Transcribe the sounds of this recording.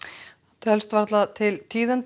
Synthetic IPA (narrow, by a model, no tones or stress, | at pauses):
t̪ʰɛlst̪vaɾt̪lat̪ʰɪlt̪ʰiːðɛnt̪